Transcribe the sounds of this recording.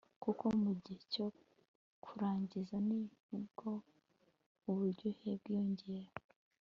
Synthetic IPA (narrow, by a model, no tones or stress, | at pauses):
kukomuɟiheco̞ | kʰuɾaːɲɟizanihibɡo̞ | uβuɾɟoheb̚ɡjoːɲɟeɾo